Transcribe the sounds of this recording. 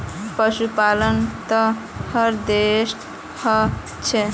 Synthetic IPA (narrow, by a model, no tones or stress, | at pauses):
pəʃupalənt̪ə | həɾd̪esʈ | hə | t͡ʃʰɛ